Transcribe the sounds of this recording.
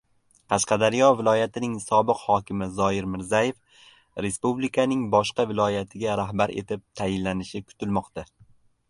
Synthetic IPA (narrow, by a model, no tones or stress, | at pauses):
qʰɑʃqɑd̪aɾɪjɒvɪlˠɒjat̪ʰɪnɪŋsɒbɨqhɒkʲʰɪmɪzɒɪɾmɪɾzaje̞f | ɾe̞spublikʰanɪŋbɒʃqɑvɪlˠɒjat̪ʰɪɡʲaɾahbaɾe̞̰t̪ʰɪp̚t̪ʰajɪlːanɪʃɪkʰʊ̥t̪ʰɪlmɒqt̪ʰa